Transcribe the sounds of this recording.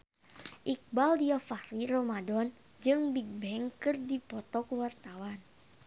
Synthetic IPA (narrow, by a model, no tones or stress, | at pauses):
ʔik̚baldiafaɾirɔmadɔn | d͡ʒɨŋbiɡ̚bɛŋkɨrdipɔt̪ɔkuwart̪awan